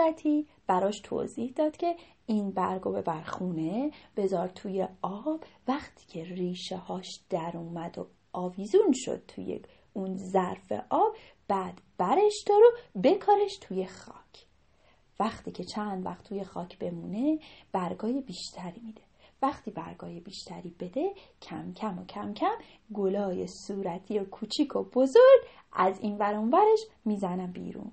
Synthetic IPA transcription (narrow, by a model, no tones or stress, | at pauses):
æt̪ʰi | b̥æɾɒːʃt̪ʰo̰ziːhd̪ɒːd̪̥cʲʰe̞ | iːnbæɾɡobe̞bæɾxuːne̞b̥e̞zɒːɾt̪ʰuːjeɒːb̥væχt̪ʰi̥ːcʰe̞riːʃehɒːʃd̪̥æɾuːmæd̪o̰ | ʔɒːviːzunʃo̰d̪̥̚t̪ʰṵjḛ | unzæɾfḛʔɒːb̥ | b̥æːd̪̥b̥æɾeʃd̪̥ɒɾobe̞kʰɒːɾe̞ʃt̪ʰuje̞xɒ̰ːcʰ | væxt̪ʰiːcʰe̞t͡ʃʰænd̪væ̰xt̪ʰːuje̞xɒːcʰb̥e̞muːne̞b̥æɾɡɒːjebiːʃt̪ʰæɾiːmiːd̪̥e̞væxt̪ʰiːbæ̰ɾɡɒːjebiːʃt̪ʰæɾiːbe̞d̪e̞cʰæmcʰæmocʰæmcʰæm | ɡolɒːjesuːɾæt̪ʰiːokʰuːt͡ʃʰiːkʰob̥o̞zoɾɡ | ʔæziːnvæɾɔnvæɾe̞ʃmiːzænæmbḭːɾṵːn